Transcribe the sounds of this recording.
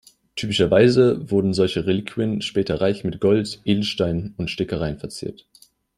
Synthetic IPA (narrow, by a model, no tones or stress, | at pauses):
tʰyːpɪʃɐvaɪzəvʊɐdn̩zɔlçəʁelikʰiənʃpɛːtɐʁaɪçmɪtɡ̥ɔltʔeːdl̩ʃtaɪnnʊntʃtɪkəʁaɪənfɛɐt͡sḭːɐt